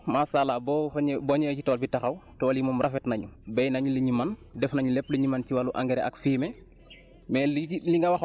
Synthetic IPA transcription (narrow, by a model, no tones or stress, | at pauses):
masalabɔɲbɔɲɛcitɔːlbitɐxɐwtɔːljimɔːmrʔɐfɛtnɐɲubɛjnɐɲuləɲimandɛfnɐɲulɛpːləɲimanciwaluʔa̰ŋɡɛɾɛɐ̰kfiːmɛ | mɛːlliŋɡɐwɐx